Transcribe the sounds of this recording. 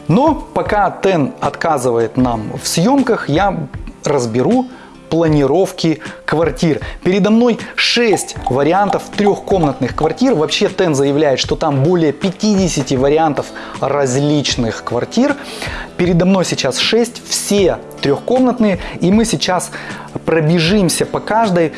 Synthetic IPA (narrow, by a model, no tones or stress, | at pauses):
no̞pɐkat̪ɛnɐt̪kazɨvəjɪt̪namfsʲjo̞mkəxjarəzbʲɪɾu | plˠənʲɪɾo̞fkʲɪkvɐrtʲirpʲɪɾʲɪd̪ɐmno̞jʂɛsʲtʲvəɾʲɪant̪əft̪ɾʲoxko̞mnət̪nɨxkvɐrtʲirvɐpɕːe̞t̪ɛnzəjɪvlʲæjɪt̪ʂt̪o̞t̪ambo̞lʲɪjəpʲɪtʲidʲɪsʲɪtʲɪvəɾʲɪant̪əf | rɐzʲlʲit͡ɕnɨxkvɐrtʲir | pʲɪɾʲɪd̪ɐmno̞jsʲɪt͡ɕasʂɛsʲtʲfsʲe | t̪ɾʲoxko̞mnət̪nɨjəimɨsʲɪt͡ɕas | pɾəbʲɪʐɨmsʲəpɐkaʐd̪əj